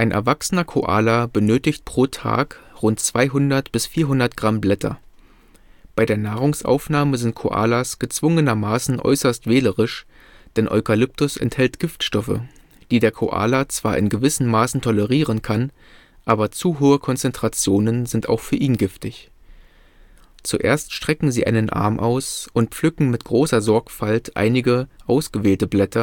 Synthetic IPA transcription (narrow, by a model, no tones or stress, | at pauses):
ʔaɪnʔɛ̰ɐvaksənɐkʰo̰ʔa̰ːlabənøːtɪçt̚pʁ̥oːtʰa̰ːkʁʊntt͡sv̥aɪɦʊndɐtb̥ɪsfiːɐɦʊndɐtɡ̥ʁamblɛtʰɐ̰ | b̥aɪdeːɐnaːʁʊŋsʔa̰ʊfnaːməzɪnt̚kʰo̰ʔa̰ːlasɡ̥ət͡sv̥ʊŋənɐmaːsn̩ʔɔ̰ʏsɐstv̥ɛːləʁɪʃ | d̥ɛnʔɔ̰ʏkʰalʏp̚tʊsɛ̰nthɛltɡ̥ɪftʃtɔfə̰ | d̥iːdeːɐkʰoʔa̰ːlat͡sv̥aːɐʔɪ̰nɡəvɪsn̩mːaːsn̩tʰɔləʁiːʁənkʰan | ʔaːbɐt͡suɦoːəkʰɔnt͡sɛntʁ̥at͡sjoːnənzɪntaʊxfyːɐʔiːnɡɪftɪç | t͡suʔḛːɐstʃtʁ̥ɛkŋ̩ziːʔa̰ɪnənʔa̰ɐmʔa̰ʊsʔʊnt̚p͡flʏkŋ̩mɪtɡ̥ʁoːsɐzɔɐkfaltʰʔa̰ɪnɪɡəʔaʊsɡ̥əveːltəblɛtʰɐ